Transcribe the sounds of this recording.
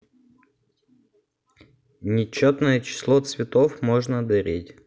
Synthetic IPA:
nʲɪt͡ɕːot̪nəjət͡ɕɪ̥slˠot̪svʲɪt̪ofmoʐnəd̪ɐɾʲetʲ

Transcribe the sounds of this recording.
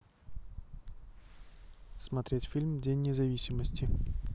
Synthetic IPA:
smɐt̪ɾʲetʲfʲilʲmdʲenʲːɪzɐvʲisʲɪməsʲtʲɪ

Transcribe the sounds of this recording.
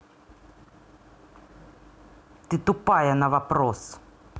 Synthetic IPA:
t̪ɨt̪upajɐnɐvapɾos

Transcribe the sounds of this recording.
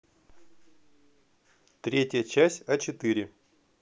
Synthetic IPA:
t̪ɾʲetʲjət͡ɕæsʲtʲɐt͡ɕɪt̪ɨɾʲɪ

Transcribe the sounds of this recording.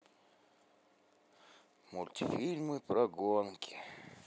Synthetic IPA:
mulʲt̪ʲifʲilʲmɨpɾaɡonkʰʲi̥

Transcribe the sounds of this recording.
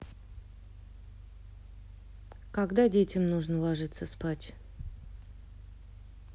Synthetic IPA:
kaɡd̪adʲetʲɪmnuʐnəlˠaʐɨt̪səspatʲ

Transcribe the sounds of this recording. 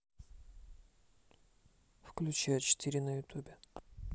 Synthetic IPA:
fklʲʉt͡ɕæjʊt͡ɕɪ̥t̪iɾʲɪnəjʊt̪ʲubʲɪ

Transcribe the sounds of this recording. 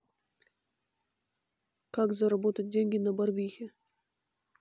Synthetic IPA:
kakzɐɾɐbot̪ət̚ʲdʲenʲɡʲɪnɐbɐrvʲixʲɪ

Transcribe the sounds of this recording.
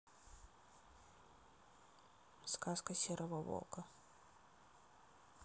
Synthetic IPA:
skaskəsʲeɾʔəvəvo̰lˠkə

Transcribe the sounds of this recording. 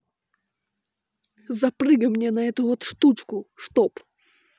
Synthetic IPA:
zɐprɨɡəmnʲenɐɛt̪ʊvot̪ʂt̪ut͡ɕkʊʂt̪op

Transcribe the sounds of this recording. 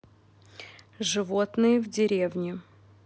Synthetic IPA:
ʐɨvot̪nɨjəvdʲɪɾʲevnʲɪ

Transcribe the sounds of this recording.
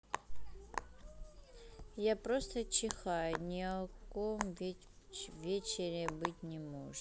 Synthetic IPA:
japɾost̪ət͡ɕɪxajʊnʲɪɐkomvʲ | vʲet͡ɕɪɾʲɪbɨtʲnʲɛmoʐɨ

